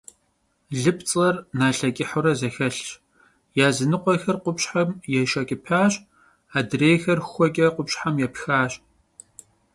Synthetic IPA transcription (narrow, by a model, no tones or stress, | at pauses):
ɮɨpt͡sʼɐrnaːɬɐkʲʼɪħʊɾɐzɐxɐɬɕ | jaːzɨnɨqʷɔxɐrqʷʊpɕħamjɛʃɐkʲʼɪpʰaːɕʼ | aːdreːjxɐrxʷɔkʲʼɐqʷʊpɕħamjɛpxaːɕʼ